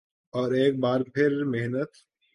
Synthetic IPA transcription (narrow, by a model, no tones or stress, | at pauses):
ɔːɾeːk̚baːɾpʰɪɾmeɦnət̪